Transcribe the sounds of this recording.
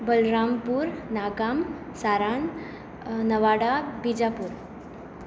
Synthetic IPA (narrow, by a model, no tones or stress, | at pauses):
bəlɾampuːɾnaɡam | saɾaɳ | nəʋaɽabid͡ʑapuːɾ